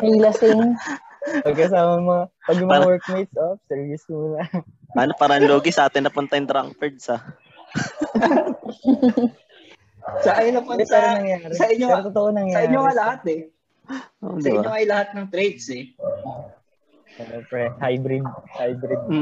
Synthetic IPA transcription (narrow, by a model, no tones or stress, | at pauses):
ʔɐjlasɪn | pɐɡ̚kɐsaːmɐmɐŋapɐɡmɐwɛɹk̚mejt̪sʔosɛɹvɪsmuːlɐ | aːnopaːɾɐʔŋloːɡɪsɐʔaːt̪ɪnːɐpʊnt̪ɐjnt̪ɾaŋkfɛɹd̪̚sɐ | sɐʔajnɐposʔonɐŋjaːɾɛsɐʔɪɲɲoɾɐt̪ot̪oʔonɐŋjaɐʔɪɲːoŋɐlɐhat̪̚ɛ | ʔo̰ʔdsɪɪbaɲoɐjlɐhat̪̚nɐŋt̪ɾejd̪sɛ | ɐʔopɾɛhajbɾɪd̪̚hajbɾɪd̪̚